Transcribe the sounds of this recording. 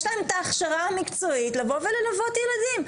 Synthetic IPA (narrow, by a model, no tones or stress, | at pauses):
ʃlaemetaːχʃaʁaamikt͡soitlavovelelavo̞tjeladim